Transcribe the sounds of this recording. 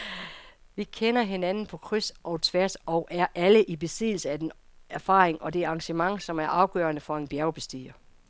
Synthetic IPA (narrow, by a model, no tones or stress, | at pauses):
ʋikʰenɐɦe̝nænn̩pʰɒ̽kʰʁysʔɒʊt͡sʰʋæɐ̰sɒʊʔæɐʔæləʔib̥e̝sið̰ˠl̩səæd̥enæɐfɑ̰̈ːʁeŋʔɒ̽d̥e̝ɑ̈ŋɕəmɑ̈ŋsɒ̽mæɐʔɑ̈ʊɡ̥œːɐnəfɒ̽e̝nb̥jæɐʊb̥e̝sd̥ḭːɐ